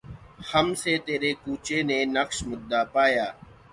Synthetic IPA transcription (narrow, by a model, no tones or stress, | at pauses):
həmseːt̪eːɾeːkuːt͡ʃeːnẽːnəksmʊd̪ʱːaːpaːjaː